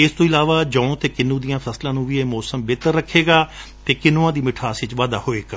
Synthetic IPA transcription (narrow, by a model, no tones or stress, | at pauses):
ɪst̪õːɪlaːʋaːd͡ʒəõːt̪eːkɪnːũːd̪ijãːpʰəslãːnũːʋiːemɔːsəmbeːt̪əɾːəkʰːeːɡaːt̪eːkɪnoãːd̪iːmɪʈʰaːsɪt͡ʃʋaːd̪aːhoːeːɡaː